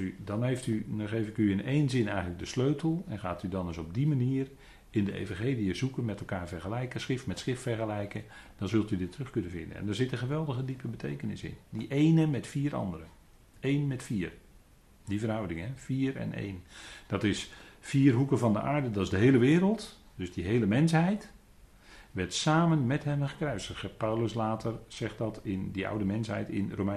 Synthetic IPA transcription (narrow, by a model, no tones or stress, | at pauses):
ydɑnɦejftyɔχejvɪkyɪnejnzɪnɛjɣənləɡ̚dəsløɥtʰəl̩ˠɛnχaːtydɑnəsɔb̚dimaniːər | ɪndəḛjvɑ̃nχejlijəzukənmɛtɛlˠkaːɹvɛrχəlɛjkəsχɪftmɛtsχɪftfɛrχəlɛjkə | d̥ɑnzɵlˠtydɪtʰːrɵχkɵnəvɪndənɛ̰ndaːɹzɪtə̃χəʋɛlˠdəɣədipəbətʰejkənɪ̰sɪ̰ndiʔejnəmɛtfiːɾɑ̰ndəɾə | ejnmɛtfiːr | divərɦʌwdɪŋɦɛfiːrɛ̰nḛjnd̥ɑtɪsfiːrɦukəvɑndə̰ʔaːɹdədɑtɪzdəɦejləʋɪːɾəlˠt | d̥ɵzdiɦejləmɛnsɦɛjt | ʋɛrtsaːmənmɛtɦɛmχəkraɥsəəpawləslaːtʰərz̥ɛχt̚dɑtɪndiʔʌ̰wdəmɛnsɦɛ̰jtɪ̰nrowmɛ